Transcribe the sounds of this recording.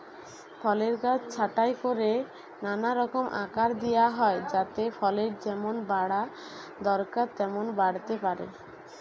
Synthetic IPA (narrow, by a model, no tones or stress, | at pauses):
pʰɔleɾɡat͡ɕt͡ɕʰaʈajkoɾe | nanaɾɔkomʔa̰kaɾd̪ijaɦɔed͡ʑat̪efʰɔleɾd͡ʑɛmonbaɽa | d̪ɔɾkaɾt̪ɛmonbaɽt̪epaɾḛ